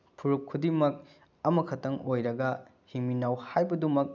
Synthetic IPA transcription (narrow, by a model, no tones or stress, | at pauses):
pʰuɾukʰːudimɐk̚ | ɐmɐkʰɐtɐŋojɾɐɡɐ | hiŋminawhajbɐdumɐk̚